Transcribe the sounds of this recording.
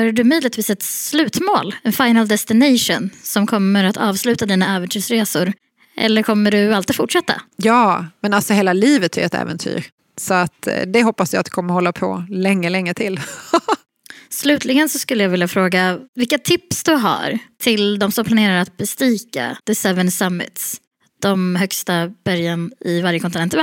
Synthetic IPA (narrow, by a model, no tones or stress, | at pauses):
haɖɵmyːd̪lɪɡ̚t̪viːsɛt̪slʉ̟ːt̪moːlɛnfajnald̪ɛst̪ɪnɛjʂɔnsɔmkʰɔmːəɾat̪ʰɑːvslʉ̟ːt̪ad̪iːnaɛːvɛnt̪ʰyːʂɾeːsʊɾ | ʔɛ̰lːəɾkʰɔmːəɖɵalt̪ɪfʊʈʂɛt̪ːa̰jɑːmɛnalsɔheːlaliːvət̪ʰɛ̰ɾɛ̰t̪ɛ̰ːvɛnt̪ʰy̰ːɾ | sɔat̪d̪ɛɦɔpːasjaːt̪d̪ɵ̥kʰɔmːəɾhɔlːapʰɔ̰lɛŋːəlɛŋːət̪ʰɪl | slʉ̟ːt̪ʰlɪɡənsɔskɵlːəjɑːvɪljafɾoːɡavɪlkːat̪ʰɪpsd̪ɵɦa̰ɾt̪ʰɪld̪ɔmsɔmpʰlaneːɾaɾat̪̚bɛst̪iːka̰d̪̥ɛsɛvənsamːɪ̰t̪s | d̪̥ɔmɦœkst̪ab̥æɾjanɪvaɾjəkʰɔnt̪ɪɛnt̪ɛ